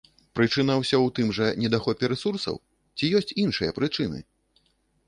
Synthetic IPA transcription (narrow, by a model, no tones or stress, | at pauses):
pɾɨt͡ʂɨnɐwsʲɔwt̪ɨmʐɐnʲɛd̪axɔpʲɛɾɛsursɐ̰w | t͡sʲijɔsʲt͡sʲinʂɨjɐpɾɨt͡ʂɨnɨ̰